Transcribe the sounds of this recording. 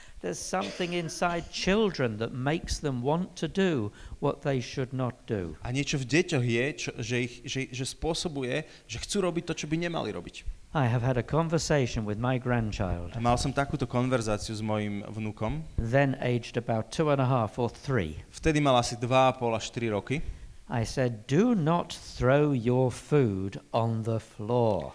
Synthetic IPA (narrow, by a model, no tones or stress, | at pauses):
ðə˞z̥sʌ̃mθɪ̃ŋɪ̃nsaɪd̚t͡ʃʰɪlˠdɹə̃nðət̚meɪksðə̃mwɑ̃ntʰɨduwʌt̪̚ðeɪʃɨdⁿnət̚d̥ṵʔaɲɪɛt͡ʃɔvɟɛcɔɣjɛt͡ʃɔʒɛixʒɛʒɛspʊɔsɔbujɛ | ʒɛxt͡suːɾɔbic̚t̪ɔt͡ʃɔbiɲɛma̰lḭɾɔ̰bic | aɪəv̥əɾɨkʰɑ̃ɱvə˞seɪʃɨ̃nwɨðmaɪɡɹæ̃nt͡ʃʰa̰ɪlˠd̥malsɔmt̪akuːt̪ɔkɔnʋɛɾzaːt͡siuzmɔjimʋnukɔmðɨ̃nḛɪd͡ʒdɨbaʊtʰuə̃nəɦɑfə˞θɹḭft̪ɛd̪imalasid̪ʋaapɔlaʃt̪iɾiɾɔkia̰ɪsɛdunət̪̚θɹoʊjə˞fuɾə̃n̩ðəflɔɹ